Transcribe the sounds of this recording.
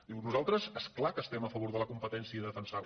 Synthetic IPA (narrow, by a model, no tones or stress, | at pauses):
d̪iwnuzalˠt̪ɾəzesklakəːst̪ɛməfəβ̞oɾðələkumpət̪ɛnsiəiðəfənsa